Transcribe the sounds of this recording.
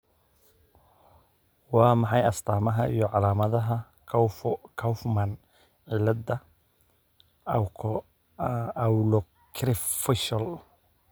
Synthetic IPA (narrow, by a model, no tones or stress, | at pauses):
wɑːmɑħɑjɐst̪ʰaːmɐɦɐijɔʕɑlaːmɐðɐɦɐ | kʰɐwfmɐn | ʕilɐdɐ | wlɔ | kʰɾɪfɪʃɐl